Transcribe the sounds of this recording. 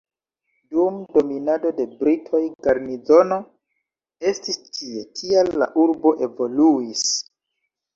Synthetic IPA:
dumdo̞minado̞de̞bɾitʰo̞jɡaɾnizo̞no̞ | e̞stistʰie̞tʰialːa̰ʔuɾbo̞ʔe̞vo̞luis

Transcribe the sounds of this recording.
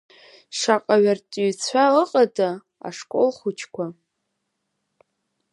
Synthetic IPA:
ʂaqʼaɥartʼɥt͡sʷʰaəqʼada | a̰ʂkʼo̰lχut͡ʃʰkʷʰa

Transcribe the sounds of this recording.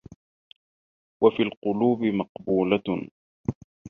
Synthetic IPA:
wafiːlqʊluːbɪmɑqbuːla

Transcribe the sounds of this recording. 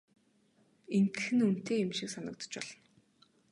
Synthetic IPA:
ent̪ɘ̆xɘ̆nun̥t̪eːjʊmʃiksanə̆k̚t̪ə̥̆t͡ɕpɔɮɞ̆n

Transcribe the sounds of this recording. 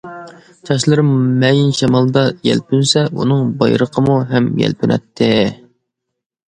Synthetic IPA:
t͡ʃʰɑʃlˠɨɾmmɛjinʃɛmɑlˠd̪ɑjɛ̰lpʰynsɛʔṵnɨŋbɑjɾəqʰəmuɦɛmjɛ̰lpʰynʔɛ̰t̪ʰːɪ

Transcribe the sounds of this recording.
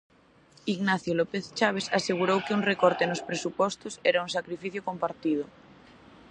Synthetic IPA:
iɣnaθjolɔpeθt͡ʃaβ̞esaseɣ̞uɾowkɪuŋrekɔɾt̪enospɾesupɔst̪ʊsɛɾauŋs̬akɾifiθjokompaɾt̪ið̞ʊ

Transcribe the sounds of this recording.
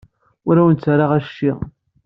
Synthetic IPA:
ʊɾæwənt͡sːaɾaʁæʃːiʁ

